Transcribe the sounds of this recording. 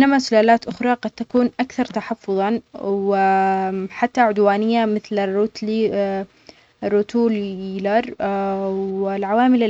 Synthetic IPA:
ʔʔɪnːamasʊlaːlaːt̪ʔʊxɾˤɑqɑd̪̥̚t̪akuːnʔakθɑɾˤt̪aħɑfːʊðˤɑwɪ | ħat̪ːaʕʊd̪waːnɪjːamɪθlɪrːuːt̪l | rːʊt̪uːlilɑɾˤ | wɪlʕawaːmɪla

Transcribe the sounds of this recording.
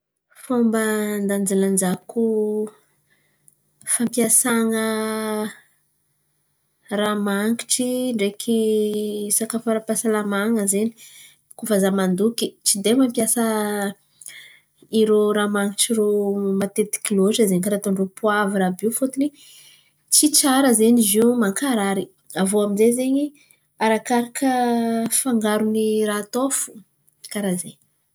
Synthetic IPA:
fombənd̪and͡ziland͡ʒaku | fampjasaŋə | ramaŋkiʈ͡ʂiɳɖ͡ʐekʰi | sakafaɾapasalamaŋəzeni̥ | kufazamand̪ukit͡ʃid̪emampjasə | iɾoɾamaŋiʈ͡ʂiɾomat̪et̪i̥kiloʈ͡ʂəzeɲkaɾat̪oɳɖ͡ʐopuaviɾabifot̪uni | t͡sit͡saɾəzeɲizimaŋkaɾaɾi | avoamizezeɲi | aɾakaɾakəfaŋɡaɾuniraːt̪ofu̥ | kaɾazeɲ

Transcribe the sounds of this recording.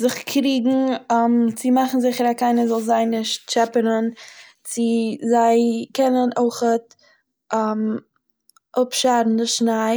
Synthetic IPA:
zɪχkʰɾiːɡŋ̩mt͡sɪmaχn̩zɪχəɾakaɪnəzɔlˠzaɪnɪʃt̚t͡ʃɛpəɾən | t͡sɪzaɪkɛnənoɪχət̚ | am | ʔʊpʃaɾn̩dɪʃnaɪ

